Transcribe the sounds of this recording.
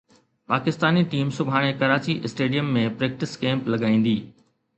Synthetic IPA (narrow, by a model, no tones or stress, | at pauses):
paːkɪst̪aːniʈiːmsʊbʱaːɽ̃ekɐɾaːt͡ɕiʔɪsʈeːɖijəmːẽpɾeːk̚ʈɪskẽːmplɐɡaːĩːn̆d̪iː